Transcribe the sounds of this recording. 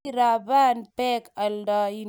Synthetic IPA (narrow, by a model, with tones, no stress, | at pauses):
ɾa˨ba˦npɛ˦ka˨ldɔ˦i˦